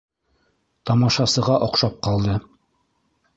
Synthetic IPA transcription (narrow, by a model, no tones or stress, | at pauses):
t̪ɑmɑʃɑsɤ̆ʁɑʔoqʃɑp̚qɑlˠd̪ɤ